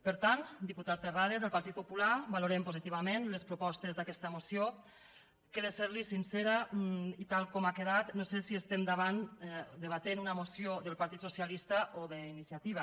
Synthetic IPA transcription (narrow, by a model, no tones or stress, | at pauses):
pəɾt̪ant̪d̪iput̪at̪̚d̪ərað̞ezðəlˠpaɾt̪it̪̚pupulabaluɾempozit̪iβamenlespɾupɔst̪ezðakɛst̪əmusjo | keðeseɾlisinseɾəit̪alˠkɔmakeðat̪nosesiəst̪emd̪aβand̪əβat̪enunəmusioðəlˠpaɾt̪it̪susijalist̪əʔoðəinisiat̪iβ̞ə